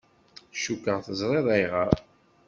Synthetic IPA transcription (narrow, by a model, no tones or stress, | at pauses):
ʃukːəʁθəzˤɾˤeðˤæjʁə